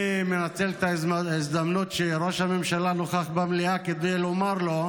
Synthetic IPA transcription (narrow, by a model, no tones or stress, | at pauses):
menat͡selt̪aizd̪amnut̪ʃeʁo̞ʃhame̞mʃalanoχaχbamliaked̪ejlomaʁlo̞